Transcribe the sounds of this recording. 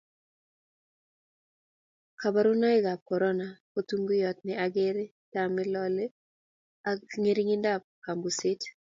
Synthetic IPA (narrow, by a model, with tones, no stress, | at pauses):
ka˨ba˦ɾu˦na˦ɪ˦ɡa˨p̚kɔ˨ɾɔ˦na˨po˦tu˦ŋɡʊ˦jɔ˨t̚nɪ˨a˨ɡe˦ɾe˦ | tamɪ˦lɔ˦le˦ | aŋe˦ɾi˦ŋɪ˦nda˦˨p̚ka˨mbu˨sɪ˦t